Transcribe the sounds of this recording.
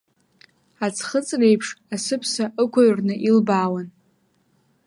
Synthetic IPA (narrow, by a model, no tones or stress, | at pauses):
at͡sʰχət͡sʼre̞jpʰʂasɨpʰsaʔɨkʷʰaɥrnɨʔilbaːwan